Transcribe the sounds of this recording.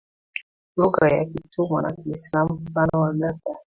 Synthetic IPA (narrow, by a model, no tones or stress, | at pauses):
loɡaja̰kitomana̰kislamfanɔwalata